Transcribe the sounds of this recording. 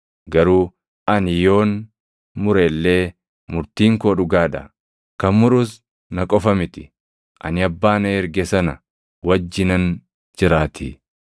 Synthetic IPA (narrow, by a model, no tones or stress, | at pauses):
ɡɐɾuː | ʔɐnjo̞ːn | mʊɾeːlːe̞ː | mʊɾt̪iːŋkoːᶑʊɡaːᶑɐ̰ | kɐmmʊɾʊs | nɐkʼɔfɐmɪt̪ɪ̥ | ʔɐ̰nɪɐbːaːnɐɛɾɡɛsɐnɐ | wɐd͡ʒːɪnɐn | d͡ʒɪɾaːt̪ɪ